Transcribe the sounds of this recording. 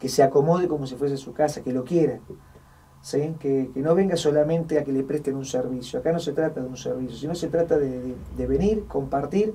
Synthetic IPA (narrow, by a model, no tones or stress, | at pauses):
keseako̞mo̞ð̞eko̞mo̞s̬ifwes̬esukasakelo̞kjeɾa | sikekeno̞βe̞ŋɡaso̞lamẽ̞nt̪eakelepɾest̪enunseɾβisjoakano̞se̞t̪ɾat̪aðeunsḛɾβisjosino̞set̪ɾat̪aðeðe | d̪eβe̞niɾko̞mpaɾt̪iɾ